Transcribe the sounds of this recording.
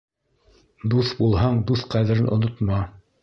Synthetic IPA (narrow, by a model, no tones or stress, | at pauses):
d̪uθbulˠɦɑɴd̪uθqæðɘ̆ɾɘnʔŏ̰nŏt̪mɑ